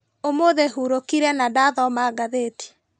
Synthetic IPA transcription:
omoðeɦuɾokiɾɛnadaðɔmaːɡaðeːti̥

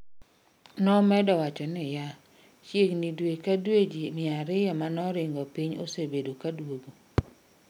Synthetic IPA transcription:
nɔmɛdɔwat͡ʃɔnɪja | t͡ʃjeknidwekadwed͡ʒimɪaɾɪjɔmanɔɾɪŋɡɔpiɲo̰sebedokadwoɡo

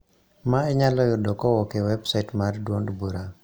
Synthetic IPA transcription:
maɛɲalɔjɔdɔkɔwɔkewɛbsaɪtmardwondbuɾa

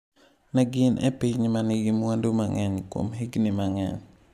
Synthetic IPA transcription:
naɡɪnʔɛ̰pɪɲnmanɪɡimwandumaŋɛɲko̰mɦiɡnimaŋɛ̰ɲ

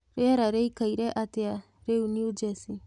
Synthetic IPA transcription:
ɾeɾaɾejkajɾeʔat̪ea | ɾeuniud͡ʒesi

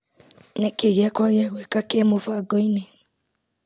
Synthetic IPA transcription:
nɛkeɣjakwaɣeɛɣwɛkakemofaɡɔine

